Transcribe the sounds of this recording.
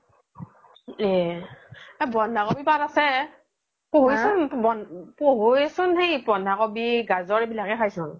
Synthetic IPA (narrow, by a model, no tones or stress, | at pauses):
ɛ | abɔndʱakobipatasɛ | poɦujsʊnbɔnpoɦojsʊnhejbɔndʱakobiɡazɔɹbilakɛkʰajsʊn